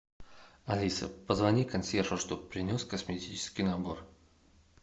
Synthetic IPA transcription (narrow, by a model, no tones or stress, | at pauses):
ɐlʲisə̰pəzvɐnʲikɐnsʲerfəʂt̪opɾʲɪnʲoskəsmʲɪtʲit͡ɕɪ̥skʲijnɐbor